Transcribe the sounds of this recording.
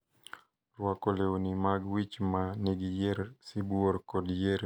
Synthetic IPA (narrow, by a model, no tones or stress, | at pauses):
rwakoleonimaɡwit͡ʃmaneɡijeɾsibuoɾkɔdjeɾ